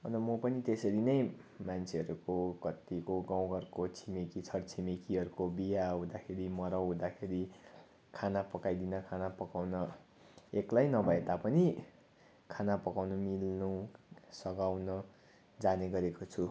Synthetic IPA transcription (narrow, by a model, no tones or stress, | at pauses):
ʌ̰nmʌpʌnit̪esʌɾinʌjmant͡sʰeɦʌɾukokʌt̪ikoɡaw̃ɡʌrkot͡sʰimekit͡sʰʌrt͡sʰimekiʌɾukobijaɦũd̪akʰeɾimʌɾʌw̃ɦũd̪akʰeɾi | kʰanapʌkajd̪inʌkʰanapʌkawnʌ | eklajnʌbʱʌet̪apʌni | kʰanapʌkawnʌmilnusʌɡawnʌ | d͡zaneɡʌɾekot͡sʰu